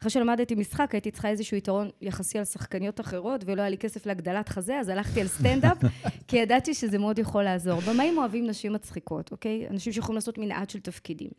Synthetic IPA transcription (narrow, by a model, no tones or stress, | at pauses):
aχʁeʃe̞lamadetimisχakajitit͡sχae̞zeʃuːitaʁo̞njaχasialsaχkanijo̞taχe̞ʁo̞tvelojalikesefleaɡd̪alatχazeazalaχtialst̪endapkijadatiʃezemeo̞djaχo̞laːzo̞ʁbomaimo̞avimnaʃimːat͡sχiko̞to̞ke̞ja̰naʃimʃejexolimlaːso̞tminʔadʃeltafkidḭm